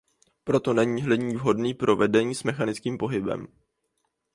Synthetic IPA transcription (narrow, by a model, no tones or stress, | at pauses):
pɾo̞t̪o̞nɛɲiːɦlɪɲiːvɦo̞dniːpɾʔo̞vɛdɛɲiːsmɛxanɪt͡skiːmpo̞ɦɪbɛ̰m